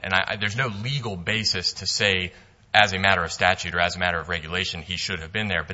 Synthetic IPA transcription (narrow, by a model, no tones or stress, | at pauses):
ʔɨ̰̃naɪʔðə˞znoʊliɡl̩ˠbeɪsɨstʰɨseɪ | ʔɨzɨmæɾə˞ʌv̥stæt͡ʃʉɾə˞ɨzɨmæɾə˞ʌvɹɛɡjɨleɪʃɨ̃n̩iʃʊɾɨvbɨ̃nðə˞bʌ